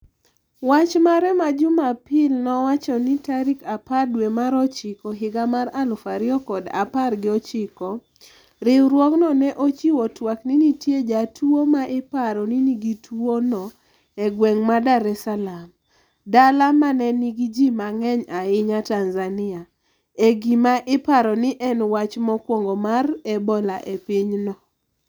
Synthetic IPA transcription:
wat͡ʃmaɾɛmad͡ʒʊmapɪlnɔwat͡ʃɔnitaɾikapadwemaɾɔt͡ʃɪkɔɦɪɡamaɾalʊfaɾɪɔkɔda̰parɡɪɔt͡ʃɪkɔ | ɾɪwɾwɔknɔnɛʔot͡ʃiwɔtwakninitjed͡ʒatuomaʔɪpaɾɔniniɡitʰuonɔ | ɛɡwɛŋmadaɾɛsalam | dalamanɛniɡid͡ʒimaŋɛɲaɪɲatanzanɪa | eɡimaʔɪpaɾɔnɪʔɛnwat͡ʃmɔkwoŋɡomarɛbɔlaʔepiɲnɔ

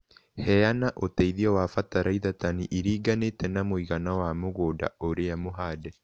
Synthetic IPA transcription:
hɛanaʔotɛiðiɔwafataɾaiðataniʔiɾiːɡanetɛnamwiɣanawamoɣoːda̰oɾeamoɦaːdɛ

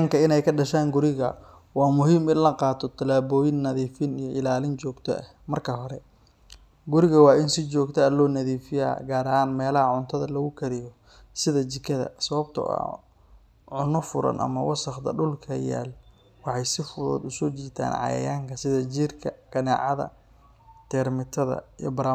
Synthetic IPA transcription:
ŋkʰɐɪnɛjkʰɐɖɐʃaːŋɡʊɾɪɣɐ̰ | wɑːmʊɦiːmɪnlɐqɑːt̪ʰɔt̪ʰɐlaːβɔːjɪnːɐðiːfɪnijɔʔɪlaːlɪnt͡ʃɔːɡt̪ʰɔ̰ʔɐhmɐrkʰɐɦɔɾɛ | ɡʊɾɪɣɐwɑːɪnsɪt͡ʃɔːɡt̪ʰɛːlɔːnɐðiːfɪja̰ːɡaːɾɐhaːnmɛːlɐhɐʕʊnt̪ʰɐðɐlɐɣʊkʰɐɾɪjɔ | sɪðɐt͡ʃɪkʰɐðɐ̰sɐβɐb̚t̪ʰʊ̰ɐ̰ | ʕʊnɔfʊɾɐ̰nʔɐ̰mɐwɑsɑχt̪ɐ̰ɖʊlkʰɐja̰ːl | wɑħɑjsɪfʊðɔ̰ːd̪ʊsɔːt͡ʃiːt̪ʰa̰ːnʕɑ̰jɐ̰jaːŋkʰɐsɪðɐt͡ʃiːrkʰɐɡ̥ɐna̰ːʕɑðɐ̰ | t̪ʰɛːɾmɪt̪ʰɐðɐ̰ijɔ̰bɐɾa

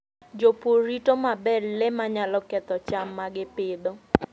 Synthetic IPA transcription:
d͡ʒopoɾitomabɛllɪmaɲalɔkɛt̪ɔt͡ʃamːaɡɪpɪd̪o

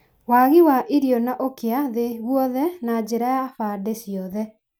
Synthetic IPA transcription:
waɣiwaʔiɾjɔnaʔokeaðeɣwɔðɛnad͡ʒeɾajafadesjɔðɛ

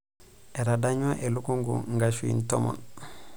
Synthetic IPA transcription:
ʔeɾadaɲaʔelukuŋɡṵŋɡaʃuḭntomɔ̰n

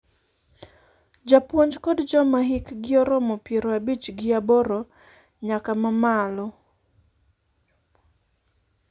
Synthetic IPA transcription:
d͡ʒapwɔɲd͡ʒkɔdd͡ʒɔmaɦikɡɪɔɾɔmɔpjeɾoabit͡ʃɡɪaboɾo | ɲakamamalɔ

